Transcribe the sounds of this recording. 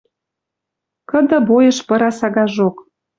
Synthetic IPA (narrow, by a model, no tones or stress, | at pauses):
kə̆d̪ɤ̆bojɤ̆ʃpɤ̆ɾɑsɑɣɑʒok